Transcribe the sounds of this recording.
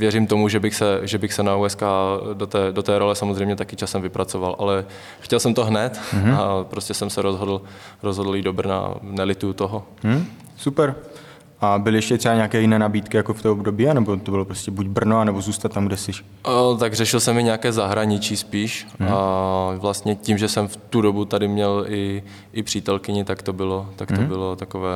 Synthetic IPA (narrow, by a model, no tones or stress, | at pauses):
vjɛɾimt̪o̞muʒɛbɪxsɛʒɛbɪxsɛnauɛskaːdot̪ɛːdot̪ɛːɾolɛsamozrɛjmɲɛt̪akɪt͡ʃasɛmvɪpɾʔat͡sovalʔalɛ | xcɛlsɛmt̪oɦnɛt̪apɾoscɛsɛmsɛɾozɦo̞dl̩ˠɾozɦodl̩iːdobr̩na̰nɛlɪt̪ujut̪oɦo | supɛɾ | ʔabɪlɪjɛʃcɛt̪r̥ɛbaɲɛakɛːjɪnɛːnabiːt̪kɪjakoft̪oobdobiːanɛbot̪obɪlopɾoscɛbuɟbr̩noanɛbozuːst̪at̪ːamɡdɛsɪʃ | t̪aɡrɛʃɪlsɛmɪɲɛakɛːzaɦɾaɲɪt͡ʃispiːʃavlast̪ɲɛcimʒɛsɛmft̪udobut̪adɪmɲɛlɪ | ʔɪpr̝̥iːt̪ɛlkɪɲɪt̪akt̪o̞bɪlot̪akt̪obɪlot̪akovɛː